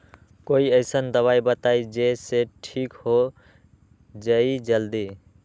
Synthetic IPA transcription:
koiəɪsənd̪əβaibət̪aid͡ʒeseʈʰikho | d͡ʒəid͡ʒəld̪i

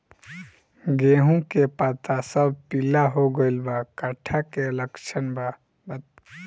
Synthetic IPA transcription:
ɡeɦũkepat̪asəbʱpilaɦoɡəɪlbakəʈʰakeləkt͡ʃʰənba | bət̪

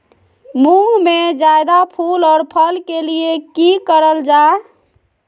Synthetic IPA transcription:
muɦmed͡ʒajd̪apʰulɔːɾpʰəlkeliekikəɾəld͡ʒa

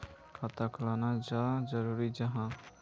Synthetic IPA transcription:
ət̪aklanad͡ʒad͡ʒəɾuɾid͡ʒəɦã

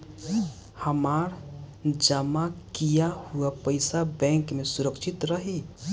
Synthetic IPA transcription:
həmaɾd͡ʒəmakijahuapəɪsabɛ̃ŋkmesuɾəkʃʰit̪ɾəɦi

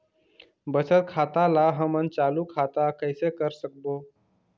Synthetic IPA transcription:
bəsət̪̚kʰat̪alaɦəmənt͡ʃaːlukʰat̪akəɪsekəɾsək̚bo

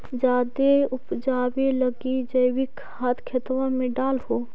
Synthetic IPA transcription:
d͡ʒaːd̪eʊpd͡ʒaːbeləɡid͡ʒəjwɪk | haːt̪ʰkʰet̪ʋãmẽɖaːlho

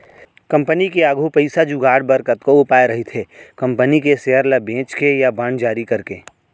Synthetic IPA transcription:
kɐ̃mpənikeaːɡʱupəɪsad͡ʒuɡaːɽbəɾkət̪koʊpaːeɾɐɦit̪ʰekɐ̃mpənikeseɦəɾlabʱẽːt͡ʃkejabãːɳd͡ʒaːɾikɐɾkḛː

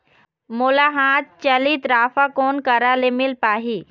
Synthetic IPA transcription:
moːlaɦãːt̪̚t͡ʃɐlit̪ɾaːfakoːnkɐɾalemɪlpaːɦi

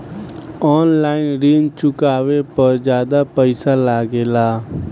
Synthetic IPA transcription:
ɔːnlaːɪnɾiːnt͡ʃʊkaːʋepəɾd͡ʒjaːd̪apəɪsalaːɡeːlaː

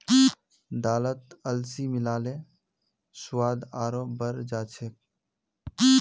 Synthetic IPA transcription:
d̪aːlət̪əlsimɪlaːlẽ | sʊwaːd̪aːɾoːbəɾd͡ʒaːt͡ʃʰek̚

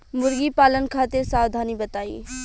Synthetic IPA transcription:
mʊɾɡipaːlənkʰaːt̪ɪɾsaːwd̪ʱaːnibət̪aːḭː

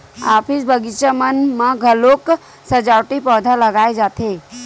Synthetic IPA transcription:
apʰisbəɡit͡ʃəmənmaɡʱəlok | səd͡ʒawʈipəd̪ʱaləɡaed͡ʒat̪e

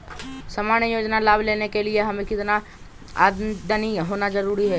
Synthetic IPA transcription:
sɐmaːnjəjoːd͡ʒnalaːbleːnekelieɦɐmẽkɪt̪na | a̰d̪əniɦoːnad͡ʒɐɾuːɾiɦɛː

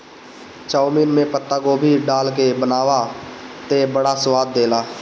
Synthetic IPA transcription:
t͡ʃaːmiːnmẽpət̪ːaɡoːbʱiɖaːlkebənaːʋat̪ebəɽasʊwaːd̪̚ːeːlaː

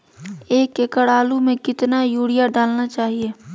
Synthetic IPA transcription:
eːkekəɽaːlumẽkɪt̪najuːɽijaɖaːlnat͡ʃaːɦie

